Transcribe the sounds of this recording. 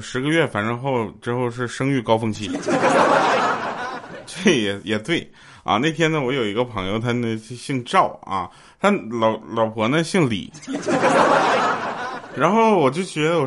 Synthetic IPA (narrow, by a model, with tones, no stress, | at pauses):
ʂɻ̩˧˥ɡə˧ɥɛ˥˩fa˨˩nʈ͡ʂɤ˥ŋxo˥˧ʊʈ͡ʂɻ̩˥xo˥˧ʊʂ̬ɻ̩˥˩ʂɤ˥ŋy˥˩kɑ˥ʊfɤ˥˧ŋt͡ɕʰi˥˩˥ | t͡se˥˩jɛ˨˩jɛ˨˩t̪we˥˩ɪ | ɐ̰˧na˥˩ɪt̪ʰjɛ˥nə˧wɔ˧˥jo˨˩ʊi˧˥ɡə˧pʰɑ˧˥ŋjo˥˧ʊt̪ʰa˥ne˥˩˥ɕi˥˧ŋʈ͡ʂɑ˥˩ʊɐ̰˧˩ | t̪ʰa˥lɑ˨˩ʊlɑ˨˩ʊpʰwɔ˧˥nə˧ɕi˥˩ŋlḭ˨˩˦ | ɻa˧˥nxo˥˩ʊə˩wɔ˨˩t͡ɕjo˥˩ʊt͡ɕɥɛ˧˥d̪ə˧wɔ˨˩